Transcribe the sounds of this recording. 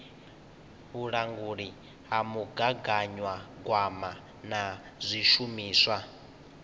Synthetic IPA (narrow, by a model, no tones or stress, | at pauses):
ɦuɺaŋɡuɺi | ɦamuɡaɡaɲwaɡwama | na | zʷiʃumiːswa